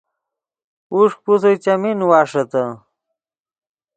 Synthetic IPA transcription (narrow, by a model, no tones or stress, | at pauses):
uʂ̚pus̬ɐjt͡ɕɐminwaːʂɐt̪ɐ